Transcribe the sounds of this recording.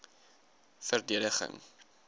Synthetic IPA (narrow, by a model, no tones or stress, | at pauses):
fərdiədəχə̰ŋ